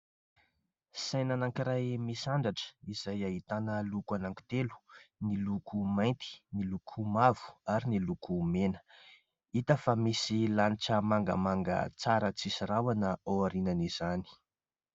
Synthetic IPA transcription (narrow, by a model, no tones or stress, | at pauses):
sajnanaŋkiɾajmisaɳɖ͡ʐaʈ͡ʂə̥iz̥ajaɦit̪anəlukuanaŋki̥t̪elu̥nilukʰumajnt̪i̥nilukʰumavu̥aɾinilukumenə̥ | it̪əfamisilaniʈ͡ʂəmaŋɡə̰maŋɡə̰t͡saɾət͡sisiɾawanəowaɾinaniz̥ani̥